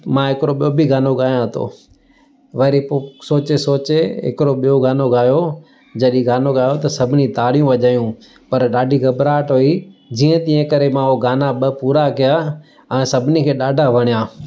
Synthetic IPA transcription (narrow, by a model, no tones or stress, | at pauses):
mãɦɪkɪɾoɓijobɪɡaːnoɡaːjãɐt̪ʰo̰ː | ʋɐɾiposoːt͡ɕesoːt͡ɕeɦɪ̰kɪɾoɓijoɡaːnoɡaːjo | d͡ʑɐɗĩɡaːnoɡaːjot̪ɐsɐbʱɪnit̪aːɽijũʋɐʄaːjũ | pɐɾɗaːɖʱiɡɐbɾaːʈɦoːid͡ʑiːə̃t̪ĩːə̃kɐɾemãoɡaːnaɓɐpuːɾakijaː | ɛ̃ːsɐbʱɪnikʰeːɗaːɖʱaʋɐɽ̃ijaː